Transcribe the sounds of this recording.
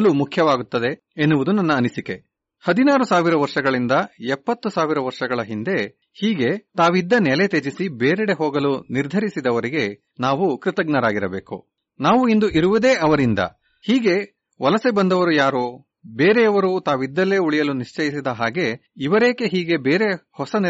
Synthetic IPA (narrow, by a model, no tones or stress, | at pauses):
lumukʰjɐʋaːɡut̪ːɐd̪e̞ː | nːuʋud̪unɐnːɐːnisike̞ | hɐd̪inaːɾusaːʋiɾɐʋɐɾʂɐɡɐɭind̪ɐɛpːɐt̪ːusaːʋiɾɐʋɐɾʂɐɡɐɭɐɦind̪e̞ | hiːɡe̞t̪aːʋid̪ːɐnɛlet̪eːd͡ʒisibeːɾɛɽe̞ɦoːɡɐluniɾd̪ʱɐɾisid̪ɐʋɐɾiɡe̞ | naːʋukɾit̪ɐɡnɐɾaːɡiɾɐbḛːkṵ | naːʋuind̪uʔiɾuʋud̪eːʔɐʋɐɾind̪ɐ̰ | hiːɡe̞ | ʋɐlɐsebɐnd̪ɐʋɐɾujaːɾoː | beːɾeɐʋɐɾut̪aːʋid̪ːɐlːe̞ːuɭijɐluniʂt͡ʃɐjis̬id̪ɐɦaːɡe̞iʋɐɾeːke̞ɦiːɡe̞beːɾe̞hɔsɐn